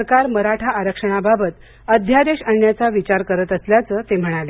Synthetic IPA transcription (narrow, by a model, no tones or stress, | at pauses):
əɾkaɾməɾaʈʰaːɾəkʂəɽ̃ababət̪ | əd̪ʱjad̪eɕəɳjat͡saʋit͡ɕaɾkəɾət̪əsljat͡səːt̪em̤əɽ̃ale